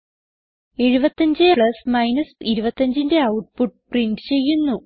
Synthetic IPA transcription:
e̞ɻubɐt̪ːɐɲd͡ʑɨɭɐsmɐjnɐsiɾubɐt̪ːɐɲd͡ʑinde̞ɐwʈ̚puʈ̚prinɖɨ̥t͡ɕe̞jːunːu

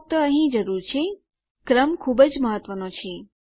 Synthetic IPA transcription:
k̚t̪əəɦĩd͡ʒəɾuɾt͡ʃʰe | kɾəmkʰubəd͡ʒməɦət̪ʋənõt͡ʃʰe

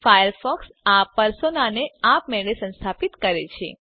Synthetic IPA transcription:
fajəɾfɔks | apəɾsonaneapmeɭesə̃nst̪ʰapit̪kəɾet͡ʃʰḛ

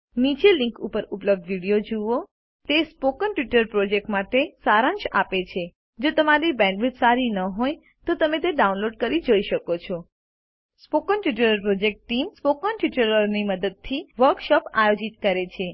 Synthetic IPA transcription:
nit͡ʃelĩŋkupəɾupləb̚d̪ʋiɽijod͡ʒuʋo | t̪espokənʈʋiʈəɾpɾod͡ʒek̚ʈmaʈesaɾãnʃapet͡ʃʰe | d͡ʒot̪əmaɾibɛ̃ɳɖʋud̪saɾinəɦoj | t̪ot̪əmẽt̪̬eɖaunloɖkəɾid͡ʒoiʃəkot͡ʃʰɔ | spokənʈʋiʈəɾəɾpɾod͡ʒek̚ʈːimspokənʈʋiʈəɾəɾniməd̪əd̪̚t̪ʰiʋəɾkʃɔpajod͡ʒit̪kəɾet͡ʃʰe

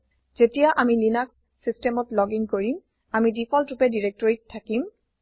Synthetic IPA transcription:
z̥etijaʔamilinaksːistɛmɔtlɔɡiŋkoɹim | amidipʰɔltupɛdiɹek̚tɔɹitʰːakim

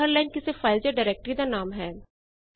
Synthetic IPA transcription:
əɾlaːɪnkɪsefaːɪld͡ʒəɖaɾeːk̚ʈəɾid̪anaːmɦɛː

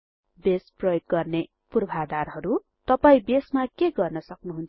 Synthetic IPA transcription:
besprʌjoɡːʌrne | purbʱad̪arɦʌɾu | t̪ʌpaĩbesmakeɡʌrnʌsʌknuɦunt͡sʰ

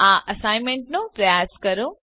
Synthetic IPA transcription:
ãːʔɐsaːɪmẽɳʈnõpɾɐjaːzkɐɾũ

